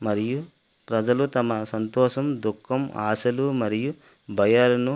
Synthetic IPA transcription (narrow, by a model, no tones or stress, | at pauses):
mɐɾiju | pɾɐd͡ʒɐlut̪ɐmɐsɐnt̪ɔːʃɐmd̪ukʰːɐma̰ːsɐlumɐɾiju | bʱɐjalɐnu